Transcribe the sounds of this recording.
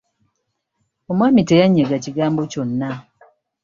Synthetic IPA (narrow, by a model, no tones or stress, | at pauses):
omwaːmitejaɲːeɡaciɡaːmboconːa